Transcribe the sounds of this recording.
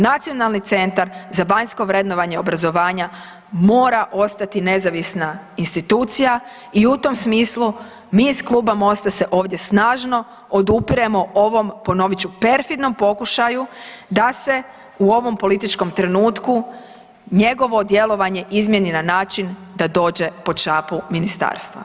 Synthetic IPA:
nat̪sijo̞nalˠnit̪se̞nt̪aɾzaʋaɲsko̞ʋɾe̞d̪noʋaɲeo̞bɾazo̞ʋaːɲa | mo̞ːɾaʔo̞st̪at̪ine̞zaʋisnainst̪it̪uːt̪sija | iut̪o̞msmiːslˠu | miːsklˠuːbamo̞st̪ase̞ʔo̞ːʋd̪ʲje̞snaːʒno̞ | od̪upiɾemo̞ʔoʋo̞mpo̞no̞ʋit͡ɕupe̞ɾfid̪no̞mpo̞kuʃajud̪ase̞ | uo̞ʋo̞mpo̞lit̪it͡ʃko̞mt̪ɾe̞nuːt̪ku | ɲe̞ɡo̞ʋo̞d̪je̞lˠo̞ʋaɲe̞ʔizmje̞ninanaːt͡ʃind̪ad̪o̞ːd͡ʑe̞po̞t͡ʃaːpuminist̪a̰ːɾst̪ʋa̰

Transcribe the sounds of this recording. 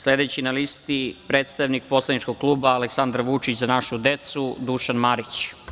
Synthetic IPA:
sled̪et͡ɕinalist̪ipɾeːt̪st̪aʋnik̚po̞slˠad̪nit͡ʃkoɡ̚kluːbaːleksand̪ɾʋut͡ʂit͡ɕzanaʃud̪e̞t̪sud̪uʃanmaɾit͡ɕ

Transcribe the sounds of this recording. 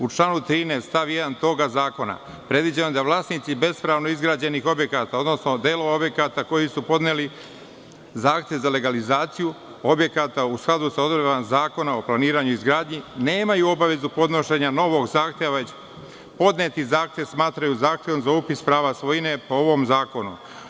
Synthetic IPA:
ut͡ʃlˠaːnut̪ɾiːnest̪t̪aʋje̞d̪ant̪o̞ɡazaːko̞na̰ | pɾe̞d̪ʋid͡ʑenoed̪aʋlˠaːsnit̪sibe̞spɾaːʋno̞izɡɾaːd͡ʑe̞nixo̞bje̞kat̪ao̞d̪no̞sno̞d̪eːloo̞bje̞kat̪ako̞jisupo̞d̪neːli | zaːxt̪je̞ʋzale̞ɡalizaːt̪siju | o̞bje̞kat̪ausklˠad̪usao̞d̪ɾebamzaːko̞nao̞plˠaniːɾaɲuizɡɾaːd̪ɲine̞ːmajuo̞baʋe̞zupo̞d̪no̞ʃe̞ɲano̞ʋo̞ɡzaːxt̪ʲjeʋaʋe̞t͡ɕ | po̞d̪neːt̪izaːxt̪ʲjeʋsmaːt̪ɾajuzaːxt̪ʲjeʋo̞mzaupispɾaːʋasʋo̞jine̞po̞oʋo̞mzaːko̞nṵ

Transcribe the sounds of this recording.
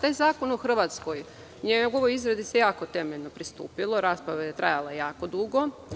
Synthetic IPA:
t̪aːjzaːkonoxr̩ʋat̪skoj | ɲeɡo̞ʋo̞jizɾad̪ise̞jaːko̞t̪e̞meʎnopɾist̪ṵːpilo̞ɾaːspɾaʋejet̪ɾa̰jalajejaːko̞d̪uɡo̞

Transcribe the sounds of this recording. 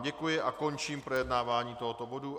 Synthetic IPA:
ɟɛkujɪʔako̞nt͡ʃiːmpɾo̞jɛdnaːvaːɲiːt̪o̞ɦot̪o̞bo̞du

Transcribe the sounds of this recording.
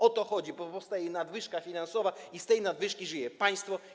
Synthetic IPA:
ɔt̪ɔxɔd͡ʑibɔpɔfst̪ajɛnad̪vɘʂkafʲinansɔvaist̪ɛjnad̪vɘʂkʲiʐɨjɛpaj̃st̪fɔ

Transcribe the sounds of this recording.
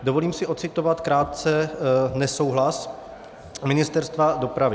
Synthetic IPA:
dovoliːmsɪʔo̞t̪t͡sɪt̪ovat̪kɾaːt̪̚t͡sɛnɛso̞wɦlas | mɪnɪst̪ɛɾst̪vado̞pɾavɪ

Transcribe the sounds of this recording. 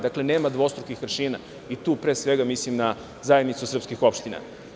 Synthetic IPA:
d̪akle̞ne̞ːmad̪ʋo̞st̪ɾokixʋrʃiːna | it̪uːpɾeːsʋe̞ɡamislimna | zajed̪nit̪susr̩pskixo̞pʃt̪ina̰

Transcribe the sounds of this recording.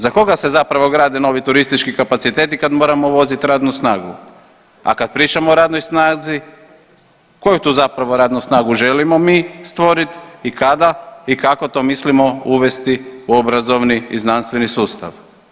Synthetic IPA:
zako̞ɡase̞zapɾaʋoɡɾaːd̪eno̞ːʋit̪uɾist̪it͡ʃkikapat̪sit̪e̞t̪ikad̪mo̞ːɾamoʋo̞zit̪ɾaːd̪nusnaːɡu | a̰kad̪̚pɾiːt͡ʃamoːɾaːd̪no̞jsnaːzi | ko̞jut̪uːzapɾaʋo̞ɾaːd̪nusnaːɡuʒe̞limo̞mist̪ʋo̞ɾit̪ikad̪aikako̞t̪o̞mislimo̞uʋe̞st̪iuo̞bɾazo̞ʋniiznanst̪ʋe̞nisuːst̪a̰ʋ

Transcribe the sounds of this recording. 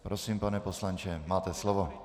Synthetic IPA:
pɾɔsiːmpanɛpɔslant͡ʃɛmaːt̪ɛslɔʋɔ

